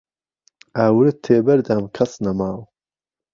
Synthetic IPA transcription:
aːwɾɨt̪ʰːeːbɐɾd̪aːmkʰɐsnɐmaːw

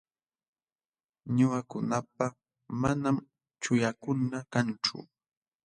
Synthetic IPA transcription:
ɲʊakʊnapa | manam | t͡ʃʊjakʊnakant͡ʃʊ̰

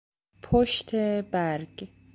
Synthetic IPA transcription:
pʰoʃt̪ʰebæɾɡ̥

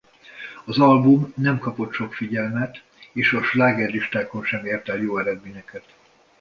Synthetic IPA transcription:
ɒzɒlbumnɛmkɒpo̞t̪ʃo̞kfiɟɛlmɛt̪ | eːʃɒʃlaːɡɛrliʃt̪aːko̞nʃɛmeːrt̪ɛljoːɛɾɛd̪minɛkɛt̪

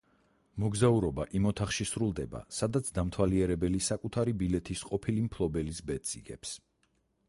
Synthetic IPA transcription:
mɔɡzauɾɔba̰ʔimɔt̪ʰaχʃisɾulˠd̪ɛba̰sad̪at̪sʰd̪amt̪ʰwaliɛɾɛbɛlisakʼut̪ʰaɾibilɛt̪ʰisqʼɔpʰilimpʰlˠɔbɛlisbɛt̪sʼḭɡɛps

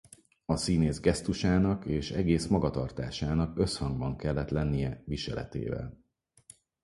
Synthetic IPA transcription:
ɒsineːzɡɛst̪uʃaːnɒkeːʃɛɡeːsmɒɡɒt̪ɒrt̪aːʃaːnɒkø̞shɒŋɡbɒŋkɛlːɛt̪lɛnːijɛviʃɛ̰lɛ̰t̪ḛːvɛ̰l

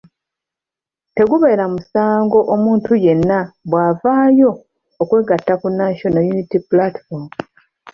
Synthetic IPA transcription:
te̞ɡuβe̞ːɾamusaːŋɡo̞ʔomuːntuje̞nːaβwaːvaːjo̞ː | kwe̞ːɡatːakunːaʃonojunitipulatfoɾm

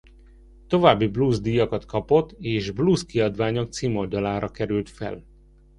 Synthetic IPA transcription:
t̪o̞vaːbːibluːzd̪ijɒkɒt̪kɒpo̞t̪ːeːʒbluːskiɒd̪ʋaːɲok̚t̪siːmold̪ɒlaːɾɒkɛɾylt̪fɛ̰l

